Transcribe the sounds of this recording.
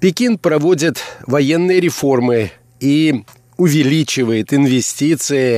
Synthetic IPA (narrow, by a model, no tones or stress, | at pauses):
pʲɪkʲinpɾɐvo̞dʲɪt̪vɐjenːɨjəɾʲɪfo̞rmɨ | i | ʊvʲɪlʲit͡ɕɪvəjɪt̪ɪnvʲɪsʲtʲit̪sɨjɪ